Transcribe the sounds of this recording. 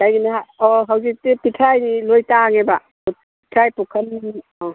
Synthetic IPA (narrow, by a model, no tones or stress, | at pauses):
kajɡinaɦaɔɦawzik̚tipitʰɾajnilojtaŋeba | ɔ | pitʰɾajpukʰɐniniɔ